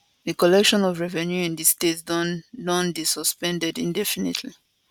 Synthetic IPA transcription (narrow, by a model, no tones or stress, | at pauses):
ðikɔlɛkʃɔ̃nɔvɹɛvɛ̃njuĩndistetsdɔ̃ndisəspɛ̃ndɛdĩndɛfinḛtʰli